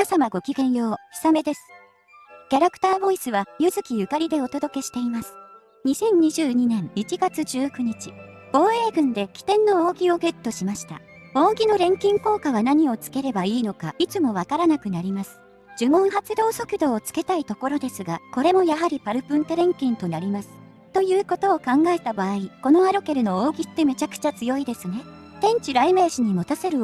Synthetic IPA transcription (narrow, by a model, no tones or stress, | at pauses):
asamaɡo̞kʲiɡẽ̞ɰ̃jo̞ːçi̥same̞d̪e̞sɨ̥ | kʲaɾakɯ̟̥t̪aːbo̞isɨβajɯ̟zɨkʲijɯ̟kaɾʲid̪e̞o̞t̪o̞d̪o̞ke̞ɕi̥t̪e̞imasɨ̥ | ɲ̟isẽ̞ɲ̟ɲiʑɨːɲ̟inẽ̞ŋit͡ɕiɡat͡sɨʑɨːkɯ̟ɲ̟it͡ɕi | ɡ̥o̞ːe̞ːɡɯ̟̃nd̪e̞kʲi̥t̪ẽ̞nːo̞oːɡʲio̞ɡet̪ːo̞ɕimaɕi̥t̪a̰ | oːɡʲino̞ɾẽ̞ŋkʲĩŋko̞ːkaβanaɲ̟io̞t͡sɨ̥ke̞ɾe̞baiːno̞kait͡sɨmo̞β̞akaɾanakɯ̟naɾʲimasɨ̥ | d͡ʑɨmõ̞ɰ̃ɦat͡sɨd̪o̞ːso̞kɯ̟d̪o̞ːt͡sɨ̥ke̞t̪ait̪o̞ko̞ɾo̞d̪e̞sɨɡako̞ɾe̞mo̞jaɦaɾʲipaɾɯ̟pɯ̃nt̪eɾẽ̞ŋkʲĩnt̪o̞naɾʲimasɨ̥ | t̪o̞jɯ̟ːko̞t̪o̞ːkãŋɡae̞t̪abaːiko̞no̞aɾo̞ke̞ɾɯ̟no̞oːɡʲit̪ːe̞me̞t͡ɕakɯ̟̥t͡ɕat͡sɨjo̞id̪e̞sɨne̞ | t̪ẽ̞ɲ̟t͡ɕiɾaime̞ːɕiɲ̟imo̞t̪ase̞ɾɯ̟